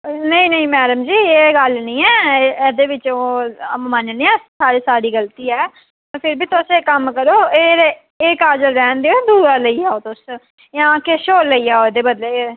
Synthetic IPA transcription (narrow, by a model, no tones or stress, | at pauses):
nəĩːnəĩmɛːd̪əmd͡ʒiːeːɡəlnĩːɛːɛːd̪eːʋɪt͡ʃoːmənnĩːɛsaːɾiːsaːɽiːɡəlt̪iːɛː | pʰɪɾbiːt̪ʊseːkəmkəɾoːeːɾ | ekaːd͡ʒəɾɾɛːnd̪eːod̪uːɾaːləiːaːoːt̪ʊs | jãːkeʃoːlːəiːaːoːɛd̪eːbəd̪leː